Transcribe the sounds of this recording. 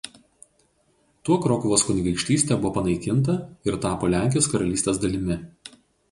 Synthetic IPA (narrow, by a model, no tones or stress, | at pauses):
t̪uɔkɾɔkʊʋoːskʊnʲɡʲɐɪkʃʲt̪ʲiːsʲt̪ʲɛbʊʋoːpɐnɐɪkʲɪnˑt̪̬ɐɪɾt̪ɑːpoːlʲæˑŋʲkʲjoːskɐɾɐlʲiːst̪ʲeːsd̪ɐlʲɪmʲɪ